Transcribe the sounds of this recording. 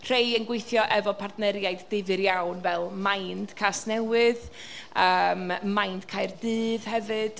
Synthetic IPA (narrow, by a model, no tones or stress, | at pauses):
r̥ejənɡwejθjɔʔɛvɔpʰardnɛɾjajdːɪvɨɾjawnvɛlˠmajnd̥kʰasnɛwɪð | əmmajndkʰajrdɨːvhɛvɨd̥